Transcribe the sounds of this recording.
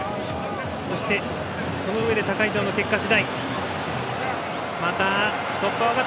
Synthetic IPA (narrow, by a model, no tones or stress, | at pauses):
so̞ɕi̥t̪e̞ | so̞no̞ɯ̟e̞d̪e̞t̪akaid͡ʑo̞ːnoke̞kːaɕid̪ai | mat̪a | sokːaβaka